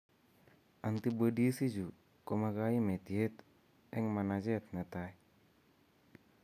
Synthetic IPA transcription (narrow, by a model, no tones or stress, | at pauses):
ʔant̪ibədisid͡ʒu | komakaimet̪iɛt̪ | ɛŋmanad͡ʒɛt̪̚nət̪ai